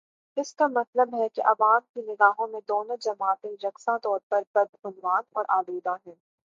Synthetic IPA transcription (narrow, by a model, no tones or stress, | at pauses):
ɪskamɐt̪ləbɦɛkiʔɐʋaːmkinɪɡaːɦõmẽd̪oːnõd͡ʒɐmaːt̪ẽɾɐksãt̪ɔːɾpɐɾpɐɾɦʊnʋaːnɔ̰ːɾʔaːd̪eːd̪aɦɛ̃ː